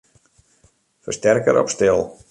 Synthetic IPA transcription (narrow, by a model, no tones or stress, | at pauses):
fəstɛrkə̰ɾʔɔ̰pstɪlˠ